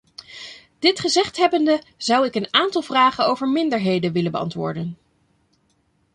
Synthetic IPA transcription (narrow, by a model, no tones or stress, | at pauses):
d̥ɪtχəzɛχtɦɛbəndə | zʌwɪkənaːntɑlˠvraːχənowvəɹmɪndəɹɦejdəʋɪləbəɑ̰ntʋʊ̰ːɹdən